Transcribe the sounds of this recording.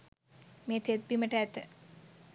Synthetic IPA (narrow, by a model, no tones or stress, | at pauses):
meːt̪et̪̚biməʈəæt̪ə